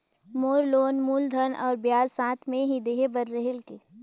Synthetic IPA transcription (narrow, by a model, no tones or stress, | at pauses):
moːɾloːnmuːld̪ʱənɔ̰ːɾbjaːzsãːt̪ʰmẽɦid̪eːɦebəɾːəɦelke